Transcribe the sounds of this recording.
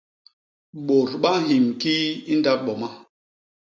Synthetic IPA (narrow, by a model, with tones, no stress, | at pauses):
ɓo˨ɾɓa˦ɦi˨mki˦i˦nda˦ɓɔ˨ma˦